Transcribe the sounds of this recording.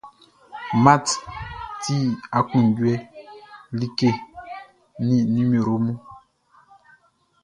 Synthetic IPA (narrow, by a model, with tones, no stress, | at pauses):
ma˦˨tti˦˨a˨kũ˨ɟwɛ˦ | li˦ke˦˨ | nĩ˦nĩ˦mi˨ɾo˦mu˦